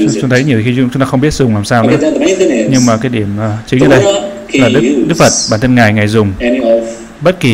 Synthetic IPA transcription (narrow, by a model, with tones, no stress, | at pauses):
t͡ɕʊ˨˦ŋ͡mt̪ʰə˨˦jɲi˨˩t̪ʰːi˧ʊ̰˧ŋ͡mt͡ɕʊ˦ŋ͡mt̪aː˧xə˧ŋ͡mɓi˦˥ət̚zʊ˨˩ŋ͡mlaː˨˩msaː˧wnɨ˨˦˧ɲɨ˧ŋmaː˨˩kaː˨˦jɗi˧˩əməː˨˩t͡ɕï˨˦ŋɲɨ˧˦ɗə˧j | laː˨˩ɗɨ˦˥k̚ɗɨ˦˥k̚fə˨˩t̚ɓaː˧˩nt̪ʰə˧nŋa˨˩jŋa˨˩jzʊ˨˩ŋ͡m | ɓə˦˥t̚ki˨˩